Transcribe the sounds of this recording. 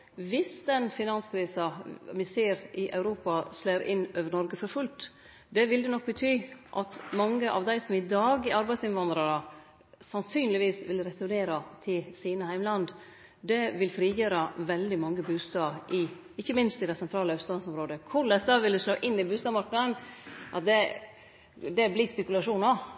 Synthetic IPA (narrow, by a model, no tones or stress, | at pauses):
ʋɪsd̪ɛnfɪnɑnskʰɾiːsɑmɪseːɾɪʔɑʉɾuːpɑsleːɾɪnøːʋəɳɔɾɡəfɔɾfʉlt̪ | d̪ɛʋɪld̪ɛnɔk̚ːbət̪ʰyːʔɑt̪mɑŋːəʔɑ̰ʋd̪æɪsɔmɪd̪ɑːɡɪɑɾbæɪsɪnʋɑnd̪ɾɑɾə | sɑnsyːnlɪʋiːsʋɪlɾɛt̪ʊɾɳeːɾɑt̪ʰɪsiːnəhæɪmlɑnd̪ | d̪ɛʋɪlfɾiːjøːɾɑʋɛld̪ɪmɑŋːəbʉːst̪ɑːʔɪ | ɪçːəmɪnst̪ɪd̪æɪsɛnt̪ʰɾɑːləœʉt̪sɑnsɔmɾoːd̪əkʰʊɭɛsd̪ɑʋɪld̪ʉsloːʔɪnːɪbʉːst̪ɑːmɑɾknɑd̪ənʔɑ̰t̪̚d̪ɛ | d̪ɛblɪspɛkʉlɑʂuːnɑ